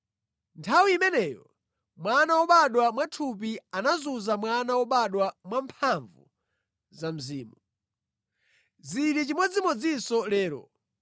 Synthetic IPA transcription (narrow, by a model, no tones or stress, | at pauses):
ntʰawiimɛnɛːjɔ̰ | mwanawɔɓaɗwamwatʰup̬ianazuzamwanawɔɓaɗwamwampʰaɱvṵ | zam̩ziːmu | ziɾit͡ʃimɔd͡zimɔd͡zisɔlɛːɾɔ̰